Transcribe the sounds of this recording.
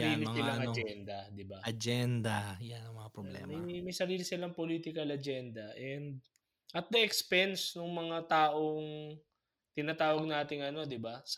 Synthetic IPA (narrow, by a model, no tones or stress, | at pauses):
ɐɾiːlɪmɐɪlaŋʔɐd͡ʒɛnd̪ɐd̪ɪbaʔɐd͡ʒɛnd̪ɐjanɐŋmɐŋapɾoblɛ̰mmɐjmɐjsɐɾiːlɪsɪlaŋpoliːt̪ɪkɐlɐd͡ʒɛnd̪ɐʔɛnd̪̚ | ʔɐt̪̚d̪ɐɛkspɛnsnʊŋmɐŋat̪aːʔo̞ŋ | t̪ɪnat̪aːwɐɡ̚naːt̪ɪŋɐno̞d̪ɪbas